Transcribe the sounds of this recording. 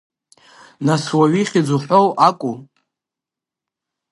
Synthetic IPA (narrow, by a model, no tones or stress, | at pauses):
naswaɥiχʲid͡zuħʷᶣowʔakʷʼu